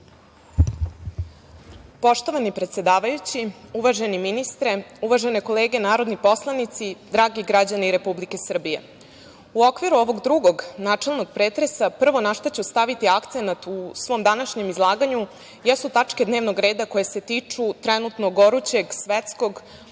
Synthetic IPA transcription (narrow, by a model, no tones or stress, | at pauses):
po̞ʃt̪o̞ʋanipɾet̪sje̞d̪aːʋajut͡ɕiuʋaʒe̞niminist̪ɾe̞uʋaʒe̞ne̞ko̞leːɡenaːɾo̞d̪nipo̞slˠanit̪sid̪ɾaːɡiɡɾad͡ʑaniɾe̞publike̞sr̩bije̞̰ | uokʋiɾuo̞ʋo̞ɡd̪ɾuɡo̞ɡnaːt͡ʂe̞lˠnoɡ̚pɾeːt̪ɾe̞sapr̩ʋo̞naʃt̪at͡ɕust̪aʋit̪iakt̪se̞nat̪usʋo̞ːmd̪anaʃɲe̞mizlˠaːɡaɲu | jesut̪at͡ʂke̞d̪neʋnoɡɾe̞ːd̪ako̞jese̞t̪iːt͡ʂut̪ɾenut̪noɡo̞ɾut͡ɕe̞ɡsʋet̪sko̞ɡ